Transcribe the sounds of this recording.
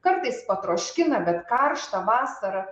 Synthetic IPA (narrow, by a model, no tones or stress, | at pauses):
kɐɾt̪ɐɪspɐt̪ɾoːʃʲkʲɪnɐbʲɛt̪kɐrʃt̪ɐʋɑːsɐɾɐ